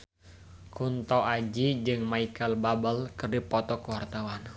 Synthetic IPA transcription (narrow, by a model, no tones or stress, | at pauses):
kunt̪ɔʔad͡ʒid͡ʒɨŋmaikəlbabəlkɨrdipɔt̪ɔkuwart̪awan